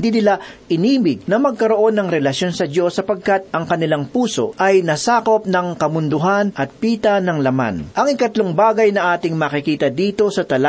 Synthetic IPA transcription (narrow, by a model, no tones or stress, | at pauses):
d̪iːnɪlaʔɪniːmɪɡ̚nɐmɐɡ̚kɐɾo̞ʔo̞nːɐŋɾɛlɐsjo̞nsɐd̪o̞sːɐpɐɡ̚kat̪̚ʔɐŋkɐnɪlaŋpuːso̞̰ʔɐjnɐsaːko̞p̚nɐŋkɐmʊnd̪ʊɦanʔɐt̪̚piːt̪ɐnɐŋlɐma̰nʔɐŋɪkɐt̪loŋbaːɡɐjnɐʔaːt̪ɪŋmɐːkɪkiːt̪ɐd̪iːt̪o̞sɐt̪ɐla